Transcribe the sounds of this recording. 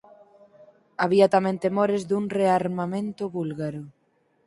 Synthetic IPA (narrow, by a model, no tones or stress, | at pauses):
aβiat̪amẽnt̪emɔɾɪzðuŋreaɾmamẽnt̪ʊβulɣaɾʊ